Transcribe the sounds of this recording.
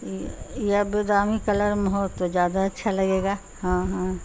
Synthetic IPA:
jabed̪aːmikɐləɾməɦoːt̪ːod͡ʒjaːd̪aɐtːʃʰalɐɡeːɡaː | hãːɦã

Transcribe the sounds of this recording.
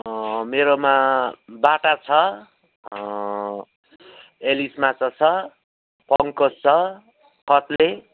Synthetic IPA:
meɾomabaʈat͡sʰʌ | elismat͡sʰʌt͡sʰʌ | pʌŋkost͡sʰʌ | kʌt̪le

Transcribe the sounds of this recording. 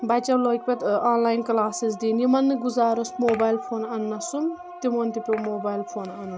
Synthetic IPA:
bɐt͡ʃɐmloːk̚ʲpʲet̪aːnlaːjnklaːsisd̪iːnjimɐnːɨɡuzaːɾɐsmoːbaːjlpʰoːnɐnːɐsum | t̪imont̪ipʲemoːbaːjlpʰoːnɐnːɐ

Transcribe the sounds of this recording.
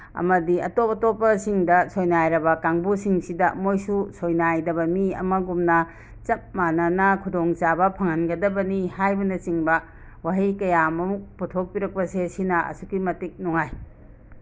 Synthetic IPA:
ɐ̰mɐdiɐ̰topɐtopːɐsiŋdɐsojnajɾɐbɐkaŋbusiŋsidɐmojsusojnajdɐbɐmiɐ̰mɐɡumnɐ | t͡ʃɐp̚manɐnɐkʰudoŋt͡ʃabɐpʰɐŋɐnɡɐdɐbɐnihajbɐnɐt͡ʃiŋbɐ | waɦikɐjamɐmuk̚putʰok̚piɾɐk̚pɐsesinɐɐ̰sukimɐtik̚nuŋaj

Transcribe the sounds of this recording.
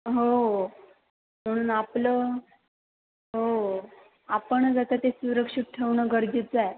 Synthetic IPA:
ɦo | m̤əɽ̃uːnapləː | ɦo | apəɳd͡zat̪at̪esuɾəkʂit̪̚ʈʰeʋɳəɡəɾd͡ʑet͡sae

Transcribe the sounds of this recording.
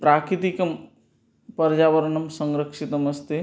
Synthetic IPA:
pɾaːkit̪ikɐm | pɐɾd͡ʒaːʋɐɾɐɳɐmsɐŋɾɐkʂit̪ɐmɐst̪e

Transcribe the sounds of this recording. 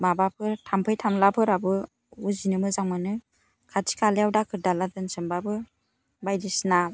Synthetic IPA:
mabapʰɯɾtʰampʰɯjtʰamlapʰɯɾabɯ | uzinɯmɯzaŋmanɯ | kʰatʰi̥kʰaleawdakʰɯɾdaladɯnsɯmbabɯ | bajdisna

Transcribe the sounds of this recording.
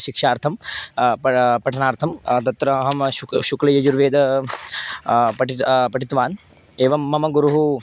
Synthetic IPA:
ʃikʂaːɾt̪ʰɐmpɐpɐʈʰɐnaːɾt̪ʰɐmt̪ɐt̪ɾɐɐɦɐmʃuklɐjɐd͡ʒuɾʋeːd̪ɐ | pɐʈpɐʈit̪ʋaːn | eːʋɐmːɐmɐɡuɾuɦu

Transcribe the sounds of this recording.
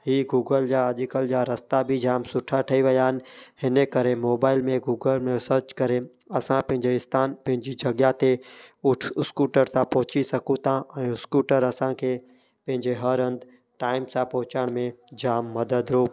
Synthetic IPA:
ɦiːɡuːɡəld͡ʑaːʄɪkəld͡ʑaːɾɐst̪abʱid͡ʑaːmsʊʈʰaʈʰɐiʋɐjaːn̆hɪnəkɐɾemoːbaːɪlmẽɡuːɡəlmẽsəɾt͡ʃkɐɾe | ɐsãpɐ̃ɦɪ̃ɲd͡ʑeɪst̪ʰaːnpɐ̃ɦɪ̃ɲd͡ʑid͡ʑʱɐɡjat̪eʊʈʰʊskuːʈəɾsãpɔɦʊt͡ɕisɐkũt̪ʰãɛ̃ːʊskuːʈəɾɐsãkʰeː | pɐ̃ɦɪ̃ɲd͡ʑeɦɐɾɐ̃nd̪ | ʈaːɪmsãpɔɦʊt͡ɕaɽ̃mẽd͡ʑaːmːɐd̪əd̪ɾoː

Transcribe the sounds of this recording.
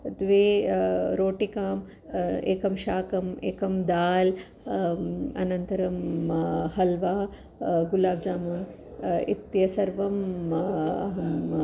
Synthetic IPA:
d̪ʋeːɾoːʈikaːm | ḛːkɐmʃaːkɐmeːkɐmd̪aːl | ɐ̰nɐnt̪ɐɾɐm | hɐlʋaː | ɡulaːbd͡ʒaːmuːn | ḭt̪jɐsɐɾʋɐm | ɦɐm

